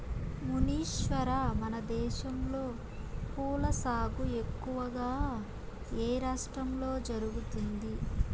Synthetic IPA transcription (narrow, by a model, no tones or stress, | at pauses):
muniːʃʋɐɾamɐnɐd̪ɛːʃɐmlo̞ː | kuːlɐsaːɡue̞kːuʋɐɡaː | eːɾaːʂʈɾɐmlo̞ːd͡ʒɐɾuɡut̪und̪i